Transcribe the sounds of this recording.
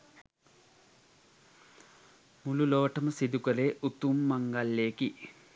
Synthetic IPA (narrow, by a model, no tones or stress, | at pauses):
mululoːʈːɐmɐsid̪ukɐleʔut̪ːumːɐŋɡalːeːki